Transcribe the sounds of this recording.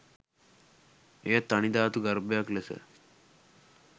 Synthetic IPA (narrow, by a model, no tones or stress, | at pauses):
eːt̪ːɐɳid̪aːt̪uɡɐɾbjaklesə̰